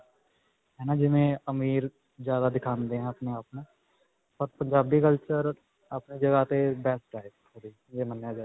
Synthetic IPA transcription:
ɦɛːnaːd͡ʒɪʋẽːəmiːɾ | d͡ʒjaːd̪aːd̪ɪkʰãːnd̪eːɦɛ̃ːəpneaːpnãː | pəɾpəɲd͡ʒaːbd̪iːkəlt͡ʃəɾ | apniːd͡ʒəɡaːt̪ebɛːsʈaːɪpʰ | oːd̪iː | d͡ʒeːmənjaːd͡ʒa

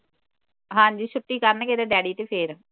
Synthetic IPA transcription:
ɦãːɲd͡ʒiːt͡ʃʰʊʈːiːkəɾnɛːkeɾeːɖɛːɖiːt̪eːpʰeːɾ

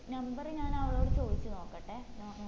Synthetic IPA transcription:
nɐmbɐrɲaːnɐʋɐɭo̞ːɽet͡ɕo̞ːd̪it͡ɕːɨno̞ːkːɐʈːenoː

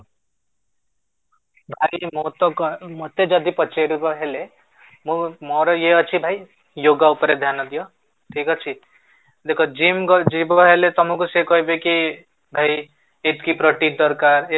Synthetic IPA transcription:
bʱajmot̪mot̪ed͡ʒʌd̪ʱipɔt͡ʃeɽukɔɦele | mumɔɾɔjeʌt͡ʃʰibʱaj | joɡaupɔɾed̪ʱjanɔd̪ijɔ | ʈʰikɔt͡ʃʰi | d̪ekʰɔd͡ʒimd͡ʒibɔɦelet̪ɔmukusekɔɦibeki | bʱaj | et̪kipɾɔʈiɖɔɾkaɾe

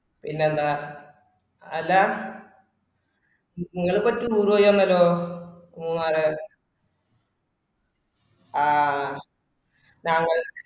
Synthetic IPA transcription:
pinːeɐnd̪a | ɐlːa | niŋːɐɭɨpːɐtːuuːrʋojoɐnːɐlːoːɐmːumaːrɨ | aː | naːŋːɐɭ

